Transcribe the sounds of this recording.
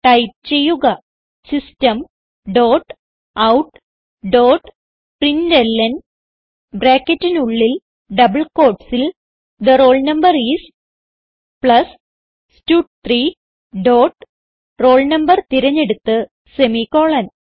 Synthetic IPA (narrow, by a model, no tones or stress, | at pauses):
ʈɐjp̚t͡ɕe̞jːuɣɐ | sistɐm | ɖo̞ːʈ | ɐwʈ | ɖoːʈ | prindelːɐn | bɾaːkʲːɐtːinuɭːil | ɖɐbɨɭko̞ːrʈsil | d̪ɐro̞ːɭnɐmbɐriːs | pɭɐs | stuːʈ̚t̪riː | ɖo̞ːʈ | ro̞ːɭnɐmbɐrt̪iɾɐɲːe̞ɽut̪ːɨ | semikoːɭɐn